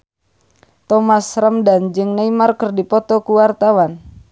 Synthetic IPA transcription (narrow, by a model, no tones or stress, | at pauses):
t̪ɔmasrəmdand͡ʒɨŋneimarkərdipɔt̪ɔkuwart̪awan